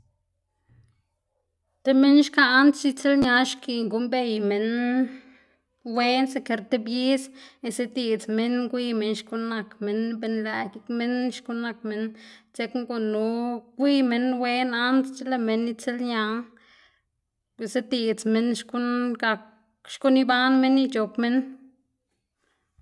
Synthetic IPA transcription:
t̪e˦me˦nʃkaː˦nt͡s̪i˦t͡se˦lɲa˧˦ʃki˧ŋɡu˦mbe˧˨jme˨n | we˦nse˧ke˧ɾt̪e˦bji˦se˧se˦d̪i˧t͡sme˦nɡʷi˦me˧˦nʃku˦na˧kme˨nbe˧nlæ˧˨ɡi˦kme˦nʃku˦na˧k̚me˨nt͡se˧˦kŋɡo˧nu˨˦ɡʷi˦me˧nwe˦na˦nt̪t͡ʃe˦la˧me˨nːi˦t͡se˦lɲa˧˦ | e˨se˦t̪i˧˨t͡sme˦nʃku˦nɡa˧k | ʃku˦ni˦ba˦nme˦nːi˧t͡ʃo˨pme˦n

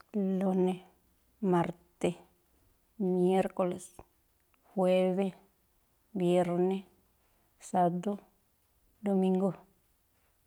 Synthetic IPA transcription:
lo˧ne˧ | ma˨ɾt̪e˧ | mje˦ɾko˨le˨s | xwe˦βe˦ | bje˧ɾne˦ | sa˧d̪o˦ | d̪o˧mĩ˦ŋɡo˦˧

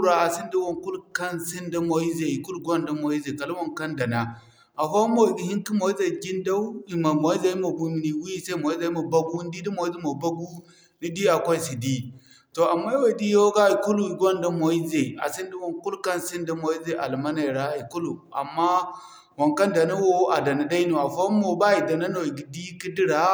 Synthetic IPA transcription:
ɾa˨a˨si˦n˦di˦wo˨ŋku˦lkɐ˦nsi˦nda˦mo˨i˦ze˨i˨ku˦lu˨ɡʷo˦nda˦mo˨i˦ze˨ka˨lu˦wo˨ŋkɐ˦nda˨na˨ | ʔa˨ɸa˦mo˨ɡi˨˦hi˦ŋki˦mo˨i˦za˨ɡi˦nda˦i˨ma˨mo˨˦i˦za˨ji˦mo˨bu˦mi˨ni˨wu˦i˦˨se˦mo˨i˦za˨˦i˦mo˨ba˦ɡu˦n˦di˦di˦mo˨i˦ze˦mo˨ba˦ɡu˦ | ni˦di˦a˨kʷa˦i˦si˨di˦ | to˨a˨mːa˦ja˦˨di˦jo˦ɡa˦i˨ku˦lu˦˨i˨ɡo˦nda˦mo˨i˦ze˨a̰˨si˦n˦di˦wo˨ŋku˦lka˦n˨si˦nda˦mo˨i˦ze˦ʔa̰˨lma˦na˨ɾa˨i˨ku˦lu˨a̰˨mːa˦ | wa˨ŋka˦nda˨na˦wo˦a˨da˨na˨da˦i˦nu˨a˨fa˦mo˨ba˦i˨da˨na˦no˨i˨ɡi˨di˦ki˦di˦ɾa˨

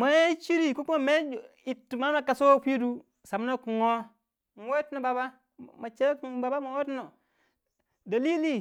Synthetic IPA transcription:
ma˨e˦t͡ʃi˦ɾi˦ku˦ku˦ma˨me˦˨ | i˨tːma˦ma˨ka˨so˦fi˦du˦ | sa˨m˦no˦ku˨ŋo˦ | n˨we˦tno˨ba˨ba˦ | ma˨t͡ʃe˦kba˨ba˦ma˨wo˦tno˨ | da˨li˦li˦

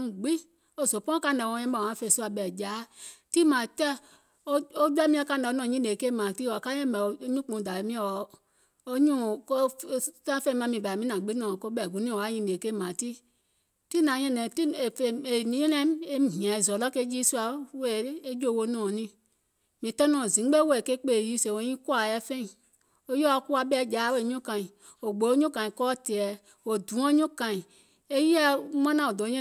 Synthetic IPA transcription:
ɡ͡bi˦ | o˦˨zo˨pɔ̃˦ka˦˨nɛ˨wɔ̃˧˦ɛ̃˦mɛ˨ã˨˦fe˧˨su˦a˨ɓɛ˨d͡ʒa˨˦ti˦mã˨tɛ˦ | o˦o˦d͡ʒɛ˦mĩ˦a˦ka˦˨n˨˦nɔ̃˨ɲĩ˦e˨ke˦mã˨ti˦wɔ˨ka˦jɛ̃˦mɛ˨o˨˦ɲũ˦k͡põ˨da˨e˨mĩ˦ɔ˨ | o˦ɲũ˦˨˦ta˦fe˦mã˨˦mĩ˨ba˨mĩ˦nã˨ɡ͡bi˦nɔ̃˨ko˦ɓɛ˨ɡu˨˦nĩ˦o˨wa˨˦ɲĩ˧˨e˨ke˦˨mã˨ti˦ | ti˦nã˨ɲe˦ne˨i˦˨fe˨e˨nĩ˨˦e˦nɛ˦e˦m˨ɦĩ˨ã˨e˨zɔ˨lɔ˦ke˦d͡ʒi˦su˦a˨˦we˦˨˦e˦d͡ʒo˦˨wo˦nõ˨nĩ˦ | mĩ˨tɔ˦nɔ̃˦˨zĩ˨˦ɡ͡be˦wke˦k͡pe˦˨ji˦se˨o˨˦ɲĩ˦ku˦a˨jɛ˦fe˦i˨ | o˦jɔ˦a˨˦ku˦a˦bɛ˦˨d͡ʒa˨˦we˦˨ɲõ˦kã˨i˨ | o˨ɡ͡bo˨˦ɲõ˦kã˨ĩ˨kɔ˦te˨ɛ˨ | o˨du˨˦o˦ɲõ˦kã˨i˨ | e˦ji˦a˦mã˦nã˦˨o˨do˨˦ɲe˦

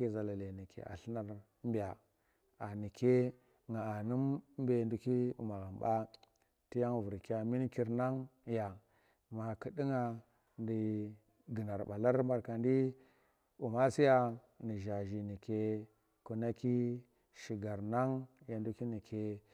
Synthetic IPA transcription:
e˦za˨la˨le˨ni˨kḛ˨a̰˨ɬi˦na˨ɾ | mba˨ | a˨ni˨kʰe˦ | ŋa˨a˨nu˦m˦be˨ndu˦ki˦ṵ˨ma˨ɣa˨m˨ba˦ | ti˦ja˦ŋ˨vu˨ɾka˨mi˦n˦ki˦ɾna˦ŋja˨ | ma˨ki˨di˦ŋa˨ | ndi˨ | ɡi˨na˨ɾɓa˨la˦ɾmba˨ɾka˨n˦di˦ | u˨ma˦si˦ja˦ | ni˨ʒa˨ʒi˨ni˨ke˦ | ku˨na˦ki˦ | ʃi˨ɡa˨ɾna˦ŋja˨ndu˦ki˦ni˨kʰe˦

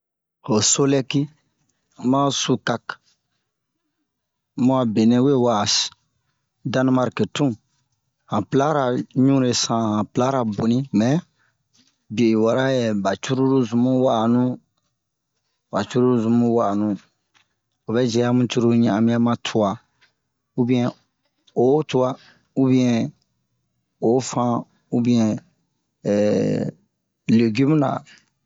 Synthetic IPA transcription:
ho˨so˦lɛ˦ki˦˨ | mã˦su˨˧ka˨k | mũ˦a˨be˨nẽ˨we˦˨wa˨s | da˦n˦ma˦ɾke˨tũ˦ | hã˨pla˦ɾa˨ɲũ˦ɾe˨sã˨hã˨pla˦ɾa˨bo˨nĩ˦mɛ˨ | bi˨e˨i˨wa˨ɾa˦jɛ˨ba˨t͡ʃu˦ɾu˦ɾu˦zu˨mũ˦wa˨nũ˦ | ba˨t͡ʃu˦ɾu˦ɾu˦zũ˨mũ˦wa˨nũ˨ | o˨bɛ˦d͡ʒɛ˨ja˦mũ˨t͡ʃu˦ɾo˦ɲɛ̃˨ã˨mĩ˦a˦mã˦tʰu˨wa˨ | u˦bĩ˦ɛ̃˨ | o˨˦tu˦wa˦ | u˦bĩ˦ɛ̃˨ | o˨˦fã˦ | u˦bĩ˦ɛ̃˨ | le˨ɡi˦mũ˦na̰˨

